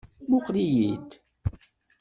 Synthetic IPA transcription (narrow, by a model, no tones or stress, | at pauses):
mʊqlijid̪